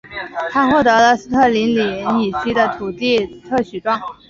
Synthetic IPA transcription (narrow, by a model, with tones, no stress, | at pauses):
t̪ʰa˥xwɔ˥˩t̪ɤ˧˥lə˧sɹ̩˥t̪ʰɤ˥˩li˧˥nli˨˩˥ni˨˩ɕi˥d̪ə˨t̪ʰu˨˩t̪i˥˧t̪ʰɤ˥˩ɕy˨˩ʈ͡ʂwɑ˥˩ŋ